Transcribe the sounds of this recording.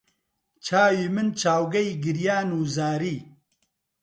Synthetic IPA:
t͡ʃʰaːwiːmɨnt͡ʃʰaːwɡɐiɡɨɾjaːnuːzaːɾiː

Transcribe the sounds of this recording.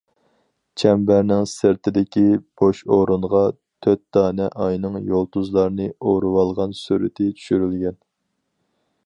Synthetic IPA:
t͡ʃʰɛmbæɾnɪŋsɪɾt̪ʰɪd̪ɪkʲib̥oʃoɾunʁɑ | t̪ʰøt̪̚d̪̥ɑːnɛʔɑjnɨŋjolˠt̪ʰuzlˠɑɾɨnɨoɾuwɑlˠʁɑnsyɾɪ̰t̪ʰɪt͡ʃʰy̥ʃyɾylɡʲɛn

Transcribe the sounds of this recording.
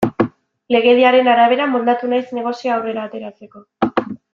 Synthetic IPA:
le̞ɣ̞e̞ðiaɾe̞naɾaβ̞e̞ɾamold̪at̪unajzne̞ɣ̞o̞sioːwre̞ɾaːt̪e̞ɾat͡se̞ko̞

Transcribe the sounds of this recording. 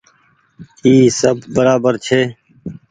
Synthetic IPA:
iːsəbːəɾaːbəɾt͡ʃʰeː

